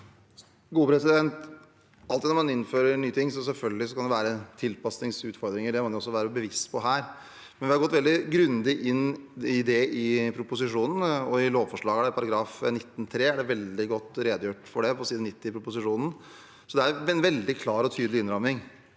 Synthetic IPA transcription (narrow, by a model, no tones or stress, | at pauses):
ɡuːəpɾɛsɪd̪ɛnt̪ | ɑlt̪ɪd̪nɔɾmɑnɪnføːɾəɳyːt̪ʰɪŋːsɔs̬ɛlfœlɡəlɪsɔkʰɑnd̪ɛʋæːɾət̪ʰɪlpɑsnɪŋsʉːt̪fɔɾd̪ɾɪŋəɖɛmɑnjʊɔsːɔʋæːɾəbəʋɪst̪pʰɔɦæːɾ | mɛnʋɪhɑɾɡɔt̪ːʋɛld̪ɪɡɾʉnd̪ɪʔɪnɪd̪ɛɪpʰɾʊpʊs̬ɪʂuːnn̩ɔɪloːʋfɔʂɭɑːɡəd̪æɾpʰɑɾɑɡɾɑːfnɪt̪ːn̩t̪ʰɾeːæɖɛʋɛld̪ɪɡɔt̪ːɾeːd̪juːʈfɔɖɛpʰɔsiːd̪nɪt̪ːɪpʰɾʊpʊs̬ɪʂuːnn̩ | sɔd̪ɛæɾʋɛnʋɛld̪ɪkʰlɑːɾɔt̪ʰyːd̪lɪɪnɾɔmɪŋ